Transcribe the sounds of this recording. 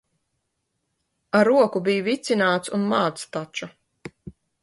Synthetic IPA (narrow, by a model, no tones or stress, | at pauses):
aɾuɔkubijuvit̪sinaːt̪sunmaːt̪st̪at͡ʃu